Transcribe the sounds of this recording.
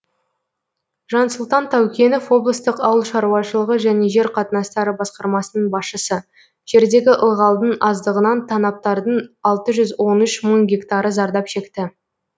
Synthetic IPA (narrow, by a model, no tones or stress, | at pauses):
ʒɑnsʊlˠt̪ɑnt̪ʰæwkʲe̞nofwo̞blˠəst̪əqɑwəlˠʃɑɾuwɑʃəlˠəʁəʒæne̞ʒe̞ɾqʰɑt̪ənɑst̪ɑɾəbɑsqɑɾmɑsənəɴbɑsʃəsə | ʒ̥e̞ɾd̪e̞ɡʲɪʔəlˠʁɑlˠd̪ənɑzd̪əʁənɑnt̪ʰɑnɑp̚t̪ɑɾd̪əɴɑlˠt̪əʒʏzwo̞nʏʃməŋɡʲe̞kt̪ɑɾəzɑɾd̪ɑpʃe̞kt̪ɪ